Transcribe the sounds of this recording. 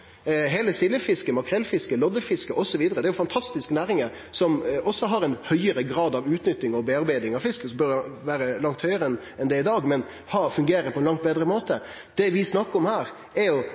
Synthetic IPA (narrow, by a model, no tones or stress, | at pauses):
ɦeːləsɪlːəfɪskəmɑkʰɾɛlfɪskəlɔd̪əfɪskəʔɔsɔʋiːd̪əɾəd̪ɛæɾjʊfɑnt̪ʰɑst̪ɪsknæːɾɪŋə | sɔmʔɔsːɔɦɑɾɛnhœʏəɾəɡɾɑːd̪ɑʋʉːt̪nʏt̪ːɪŋɔbɛɑɾbæɪd̪ɪŋɑʋfɪskəsɔbœɾʋæːɾəlɑŋt̪hœʏəɾəɛn | ɛnd̪ɛɪd̪ɑːɡmɛn | hɑfʉŋɡeːɾəpʰɔɛnlɑŋt̪beːd̪ɾəmoːt̪ə | d̪̥ɛʋɪsnɑkːəɾɔmhæːɾ | ɛɾjʊ